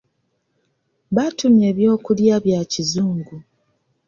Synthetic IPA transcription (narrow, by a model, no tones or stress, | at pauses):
βatume̞ːβjo̞ːkuljaβjacizuːŋɡu